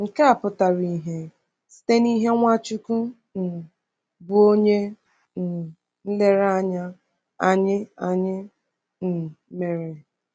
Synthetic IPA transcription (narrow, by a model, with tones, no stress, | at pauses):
ŋ̩˨ka˦a˨pʊ˨ta˨ɾi˨ɦe˨ | si̥˦te˦ni˦ɦe˦ŋʷa˦t͡ʃʊ˦ku˦ | n̩˨ | bʊ˦o˦ɲe˦ | n̩˨ | n̩˦le˦ɾa˦ɲa˦ | a˨ɲɪ˦a˨ɲɪ˦ | n̩˨me˨ɾe˨